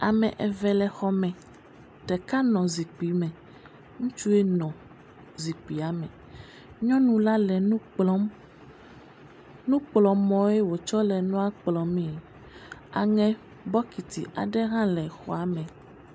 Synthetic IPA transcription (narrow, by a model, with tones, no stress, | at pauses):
a˨mɛ̰̃˨ʔɛ˨vɛ˨lɛ˨xɔ˦mɛ̃˨ | t̪ɛ˨ka˦nɔ̃˨zi˨k͡pi˨˦mɛ̃˨ | ŋũ˦t͡ʃu˦e˦nɔ̃˨ | zi˨k͡pi˨a˨mɛ̃˨ | ɲɔ̃˦nũ˦la˦lɛ˨nũ˦ɔ˦m | nũ˦k͡plɔ˨mɔ̃˨˦ɛ˦wo˨t͡ʃɔ˦lɛ˨nɔ̃˦a˦k͡plɔ˨mĩ˦˨ | a˨ŋɛ̃˨ | bɔ˦ki˨t̪ḭ˨ʔa̰˨ɖɛ˦ɦã˦lɛ˨xɔ̰˦a˨˦mɛ̃˨